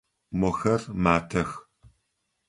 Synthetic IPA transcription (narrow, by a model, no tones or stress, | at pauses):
mɔxɐrmaːtʰɐx